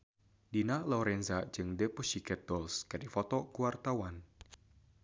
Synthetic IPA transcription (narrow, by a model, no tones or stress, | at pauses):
dinalɔɾɛnzad͡ʒɨŋdɛpuʃikɛt̪̚dɔlskɨdifɔt̪ɔkuwart̪awan